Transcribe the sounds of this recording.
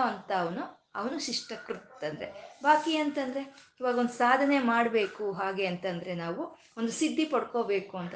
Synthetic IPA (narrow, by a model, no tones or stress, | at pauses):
ɐnt̪ɐːʋɐnu | ɐʋɐnuʃiʂʈɐkɾut̪ːɐnd̪ɐɾḛbaːkiɐnt̪ɐnd̪ɐɾe̞iːʋaːɡɐo̞nd̪usaːd̪ʱɐne̞maːɽbe̞ːkuɦaːɡe̞ɐnt̪ɐnd̪ɐɾe̞naːʋu | o̞nd̪usid̪ʱːipɐɽko̞ːbe̞ːkuɐnt̪ɐ